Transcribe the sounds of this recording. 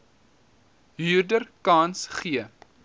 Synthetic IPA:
ɦyːrdərkɑːnsχiə

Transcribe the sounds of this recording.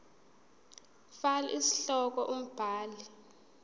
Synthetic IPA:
fala̰ʔisi̥ɬɔk̬ɔʔum̩b̥ʱaːli

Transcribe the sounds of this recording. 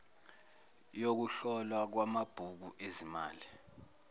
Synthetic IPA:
jok̬uɬɔlwak̬wamab̥ʱuk̬uʔezimaːli

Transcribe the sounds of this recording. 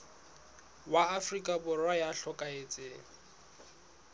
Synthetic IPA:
waːfrikʼabʊrwajaɬɔkʼaet͡sʼɪ

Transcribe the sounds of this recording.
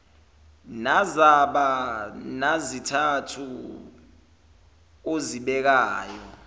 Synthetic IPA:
nazaɓanazitʰatʰu | oziɓɛk̬aːjɔ

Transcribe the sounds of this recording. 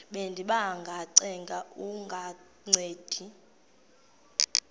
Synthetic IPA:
ɓendʱiɓaŋɡʱaǀɛŋɡʱauŋɡʱa | ŋ͡ǀʱeːd̥ʱi

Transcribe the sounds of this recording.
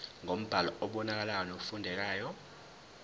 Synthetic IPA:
ŋʱom̩b̥ʱalɔɔɓɔnak̬alajɔnok̬ufundʱɛk̬aːjɔ

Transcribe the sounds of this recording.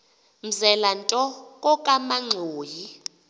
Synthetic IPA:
m̩zɛlantʼɔkʼɔkʼamaŋ͡ǀʱoːji

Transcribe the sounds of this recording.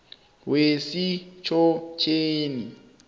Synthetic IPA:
wesit͡ʃʰɔt͡ʃʰeːni

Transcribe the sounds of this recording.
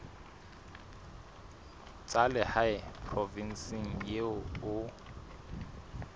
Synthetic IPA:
t͡sʼalɛhaɪpʰrɔvin̩sɪŋ̩jeʊ

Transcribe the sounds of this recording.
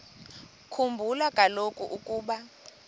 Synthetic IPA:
kʰumbʱulakʼalokʼuʔukʼuːɓa

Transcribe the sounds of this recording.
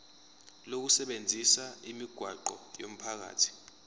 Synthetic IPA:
lok̬usɛɓend͡zʱisaimiɡ̥ʱwaǃɔjom̩pʰak̬a̰ːtʰi̥

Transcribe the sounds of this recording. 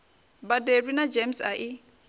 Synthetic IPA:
baderwinad͡ʒemsa̰ʔi

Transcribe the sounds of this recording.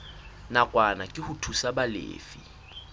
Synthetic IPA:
nakʼwanakʼɪhʊtʰusabalḛːfi

